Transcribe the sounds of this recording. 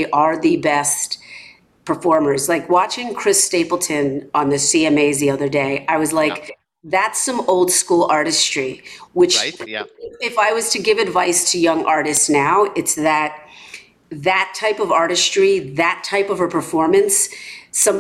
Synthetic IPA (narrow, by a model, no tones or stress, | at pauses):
ʔə˞ðɨbɛst | pʰə˞fɔɹmə˞zlaɪkwɑt͡ʃɪ̃ŋkʰɹ̥ɪsteɪpl̩ˠtʰɨ̃nə̃nðɨsiɛmeɪzðiʌðə˞deɪʔaɪwʌzlaɪk | ðætsʌ̃moʊlˠd̥skulˠɑɹɾɨstɹ̥iwɨt͡ʃ | ɪfaɪwʌz̥tʰɨɡɪvɨdvaɪstʰɨjʌ̃ŋʔɑɹɾɨstsnaʊʔɨtsðɨt̚ | ðɨtʰaɪpʌvɑɹɾɨstɹ̥iðɨtʰaɪpʌv̥ə˞pʰə˞fɔɹmɨ̃nsːʌ̃m